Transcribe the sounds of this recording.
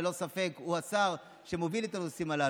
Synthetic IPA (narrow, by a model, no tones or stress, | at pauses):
lo̞safe̞kuasaʁ | ʃe̞movilet̪anosimala